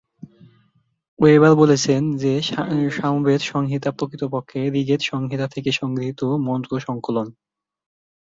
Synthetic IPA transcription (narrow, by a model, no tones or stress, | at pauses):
ebaɾbolet͡ɕʰend͡ʑeʃamubed̪ʃɔŋɦit̪apɾokit̪opokʰːeɾiɡet̪ʃɔŋɦit̪at̪ʰekeʃɔŋɡɾiɦit̪omɔnt̪ɾoʃɔŋkolon